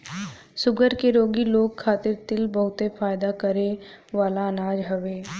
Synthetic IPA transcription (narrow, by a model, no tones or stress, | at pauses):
sʊɡəɾkeɾoːɡiloːɡkʰːaːt̪ɪɾt̪ɪlbɐɦʊt̪efaːjd̪akɐɾe | ʋaːlaɐnaːd͡ʒɦɐʋeː